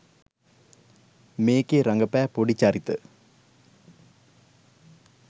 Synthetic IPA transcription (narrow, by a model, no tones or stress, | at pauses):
meːkːeɾɐŋɡɐpːaːpoɽit͡ɕːaːɾit̪ːɨ̰